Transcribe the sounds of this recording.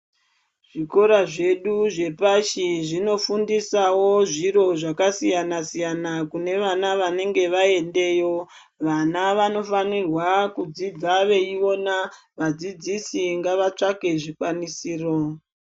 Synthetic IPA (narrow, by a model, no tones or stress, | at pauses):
ʐ̥iko̞ɾaʐe̞ɗuʐe̞paʃiʐino̞fundisawo̞ʐiɾo̞ʐakasijanasijanakune̞ʋanaʋane̞ŋɡe̞ʋae̞nde̞jo̞ | ʋanaʋano̞fanirwakud͡zid͡zaʋe̞io̞na | ʋad͡zid͡zisiŋɡaʋat͡ʂake̞ʐikwanisiːro̞